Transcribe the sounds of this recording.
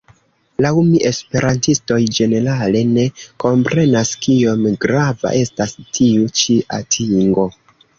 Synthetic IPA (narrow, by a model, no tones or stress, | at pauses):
laumiʔe̞spe̞ɾantisto̞jd͡ʒe̞ne̞ɾale̞ne̞ko̞mpɾe̞naskio̞mɡɾava̰ʔe̞stastʰiut͡ʃiʔa̰tʰiŋɡo̞